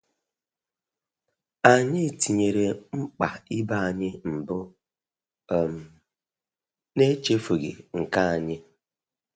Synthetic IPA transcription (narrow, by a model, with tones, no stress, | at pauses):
a˨ɲɪ˦˨ti˨ɲe˨ɾe˨ŋ͡m̩˦k͡pa˨ɪ˦ba˦a˨ɲɪ˦m̩˨bʊ˦˨ | m̩˦ | ne˦t͡ʃe˦fo˨ɡɪ̰˨ŋ̩˨ka˦a˨ɲɪ˦